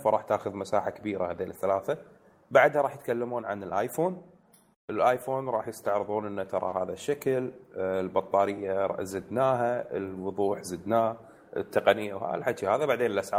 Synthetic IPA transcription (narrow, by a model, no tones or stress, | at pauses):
faɾˤɑːħt̪aːxʊðmasaːħakabiːɾahad̪elɪθːalaːθa | baʕd̪haɾˤɑːħjət̪kalːamuːnʕa̰nɪlʔaːjfoːn | ʔəlʔaːjfoːnɾˤɑːħjɪst̪aʕɾɨðˤuːnʔənːat̪ɑɾˤɑ̰haːðaʃːakllbɑt̪ˤːɑːɾɪjːazɪd̪naːɦaəlwʊðˤuːħzɪd̪naː | ə̰t̪ʰːɑqɑnɪjːawa̰a̰lħad̪ʃihaːðabaʕd̪eːnəlʔasʕaː